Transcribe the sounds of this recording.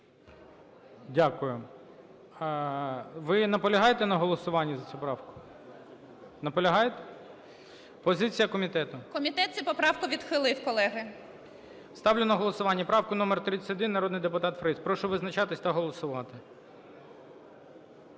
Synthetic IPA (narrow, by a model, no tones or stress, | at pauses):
dʲakʊjʊ | ʋɪnɐpɔlʲɐɦɑjet̪ɛnɐɦɔlˠɔsʊʋɑnʲːɐzɐt͡sʲupɾɑwkʊ̥ | nɐpɔlʲɐɦɑjet̪ɛ̥ | pɔzɪt͡sʲijɐkɔmʲit̪ɛt̪ʊkɔmʲit̪ɛt̪t͡sʲɛpɔpɾɑwkʊʋʲid̪xɪlˠɪwkɔlˠɛɦɪ | st̪ɑwlʲɪnɐɦɔlˠɔsʊʋɑnʲːɐpɾɑwkʊnɔmert̪ɾɪt͡sʲɐ̥tʲɔd̪ɪnːɐɾɔd̪nɪjd̪epʊt̪ɑt̪fɾɛsʲpɾɔʃɔʋɪznɐt͡ʃɑt̪ɪsʲt̪ɐɦɔlˠɔsʊʋɑt̪ɪ